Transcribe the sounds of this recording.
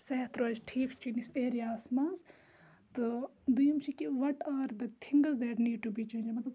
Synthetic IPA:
seːt̪ɾɐd͡ʒʈʰiːkt͡ʃʰiniseːɾijaːsmaːz | t̪ɨd̪ujɐmʃikiʋɐʈaːɾd̪ɐt̪ʰiŋɡɐzd̪ɛːʈniːɖ̚ʈubiːt͡ʃẽːnd͡ʒmɐt̪lɐb

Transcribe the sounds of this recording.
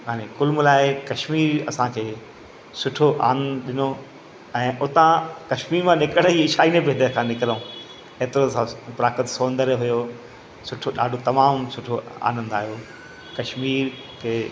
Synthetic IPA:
ɦaːnekʊlmlaːɪkɐʃmiːɾɐsãkʰeː | sʊʈʰoʔa̰ːnɗɪno | ɛ̃ːʔʊt̪ãkɐʃmiːɾmãnɪkəɽ̃əiɪʃaːinebʱeːd̪əkʰãnɪkɪɾəũ | eːt̪ɪɾoɐsãpɾaːkət̪soːnd̪əɾɦʊjo | sʊʈʰoɗa̰ːɖʱot̪ɐmaːmsʊʈʰoa̰ːnə̃nd̪aːɦjo | kɐʃmiːɾ | kʰeː

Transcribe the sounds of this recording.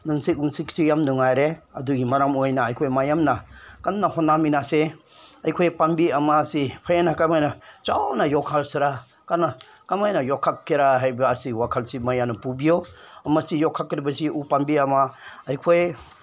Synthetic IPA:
nuŋsik̚uŋsik̚sijamnuŋajɾeɐ̰duɡimaɾamojnaɐjkʰojmajamnakanːahɔnːaminase | ajkʰojpambiamasipʰajanakamajnat͡ʃawnajɔkʰalsiɾa | kana | kamajnajɔkʰːakʰːiɾaɦajbaaɾsiwakʰalsimajanɐpubijomɐsijɔkʰːakːɾibɐsiʔupambiamaajkʰoj

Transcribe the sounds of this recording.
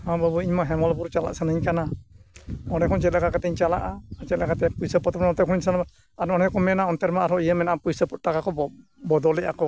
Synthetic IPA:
hãbabuiɲmaɦɛmɔlbuɾt͡ʃala̰ʔsanaɲkana | ɔnɛkʰɔnt͡ʃɛt̪̚lakakat̪ɛɲt͡ʃala̰ʔaat͡ʃɛlakat̪ɛpujsəpɔt̪ɔpɔnɔt̪ɛkʰɔniɲsana | aɾɔnɛkɔmɛnaɔnt̪ɛɾmaaɾɔʔijəmɛnaʔapujsəpɔt̪̚takakɔ | bɔd̪ɔlɛʔakɔ

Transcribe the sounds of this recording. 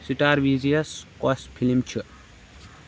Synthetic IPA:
siʈaːɾʋizijɐskɔspʰilimt͡ʃʰi

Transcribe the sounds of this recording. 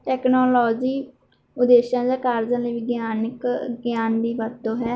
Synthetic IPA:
ʈɛːknoːlɔːd͡ʒiː | ʊd̪eːʃãːd͡ʒãːkaːɾd͡ʒãːliːʋɪɡjaːnəkɡjaːnd̪iːʋəd̪õːɦɛː

